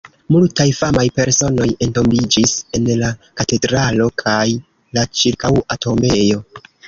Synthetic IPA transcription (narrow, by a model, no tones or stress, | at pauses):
multajfamajpe̞ɾso̞no̞je̞nto̞mbid͡ʒise̞nlakate̞dɾalo̞kʰaj | lat͡ʃiɾkawato̞me̞jo̞